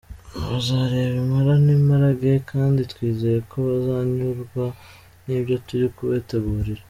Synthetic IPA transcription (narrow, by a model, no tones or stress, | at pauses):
βazaːɾe̞ːβimaɾanimaɾaɡekʰaːnditwiːze̞ɾekʰo̞βazaːɲuɾɡwa | niːβjo̞tuɾikuβe̞ːte̞ɡuːɾiɾa